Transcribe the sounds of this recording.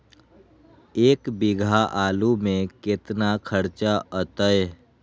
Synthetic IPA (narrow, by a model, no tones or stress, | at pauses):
eːkbɪɡʱaʔaːlumẽkɪt̪nakʰəɾt͡ʃaʔət̪əe